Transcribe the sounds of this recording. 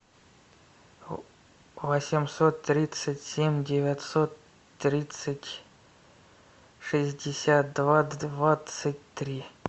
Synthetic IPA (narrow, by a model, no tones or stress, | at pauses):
vosʲɪmsot̪ːɾʲit̪sətʲsʲemʲdʲevʲat̪sot̪ː | ɾʲit̪sətʲ | ʂɨzʲdʲɪsʲat̪̚d̪vad̪vat̪sətʲt̪ɾʲi